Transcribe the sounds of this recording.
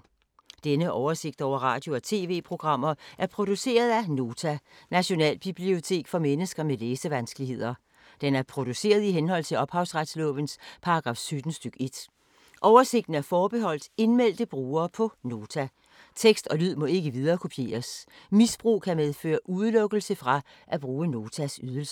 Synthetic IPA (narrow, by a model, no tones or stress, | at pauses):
d̥enəʔɒʊɐse̝ɡ̥̚d̥ɒʊ̰ɐʁɑ̈ːd̥jo̝ɒ̽t͡sʰe̝̰ːʋe̝̰ːpʰʁo̝ɡ̥ʁɑ̈m̰ɐʔæɐpʰʁo̝d̥use̝̰ːɐð̞ˠæno̝ːt͡sʰænæɕo̝nɛ̰ːlb̥ib̥lio̝t͡sʰe̝̰ːɡ̥fɒ̽menəsɡ̥ɐmeleːsəʋænsɡ̥əlihe̝ð̞̰ˠɐ | d̥enæɐpʰʁo̝d̥use̝̰ːɐð̞ˠiɦenɦɒ̽l̰t͡sʰe̝lɒ̽b̥hɑ̈ʊsʁad̥slɔ̰̽ʋənspʰɑ̈ɑɡ̥ʁɑ̈ːfsød̥n̩sd̥øɡ̥e̝d̥ | ʔɒʊɐse̝ɡ̥̚d̥n̩æɐfɒːb̥eɦɒ̽l̰d̥e̝nmel̰d̥əb̥ʁuːɐːpʰɒ̽no̝ːt͡sʰæ | t͡sʰeɡ̥sd̥ɒ̽lyð̞̰ˠmɒ̽e̝ɡ̥əʋið̞ˠɐːkʰo̝pʰje̝̰ːɐsmisb̥ʁṵːkʰæmeðˠfø̰ːɐʔuðˠlɔ̽ɡ̥əl̩səfʁɑ̈ | ʔæb̥ʁuːəno̝ːt͡sʰæsyð̞ˠəl̩s